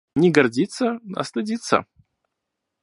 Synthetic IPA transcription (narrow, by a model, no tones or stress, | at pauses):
nʲɪɡɐrdʲit̪səɐ̰st̪ɨdʲit̪sə̰